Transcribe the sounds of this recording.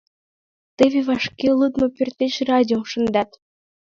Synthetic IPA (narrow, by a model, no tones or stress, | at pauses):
t̪eβʲeβɑʃkʲelˠut̪mŏpʲørt̪eɕrɑdʲioʃə̆nd̪ɑt̪